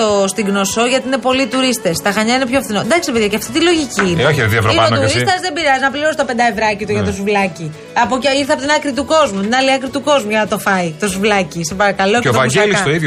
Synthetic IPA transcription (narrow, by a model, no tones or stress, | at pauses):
ost̪iɡno̞so̞ʝɐt̪iine̞po̞lit̪uɾist̪e̞st̪ɐxɐɲɐinepçofθinond̪ɐkst̪epeðʝjɐceɐft̪it̪ilo̞ʝicinoçieðievɾoɐonuɾist̪ɐzðebiɾiɐziznɐpliɾosi̥t̪ɐpend̪ɐevɾɐcit̪uʝɐt̪ozuvlɐci | ɐpociɾθeɐpot̪inɐkɾit̪uko̞zmut̪inɐliɐkɾit̪uko̞zmuʝɐnɐt̪o̞fɐit̪o̞zuvlɐcisepɐɾɐkɐlo̞et̪oɐsilksɐoiðo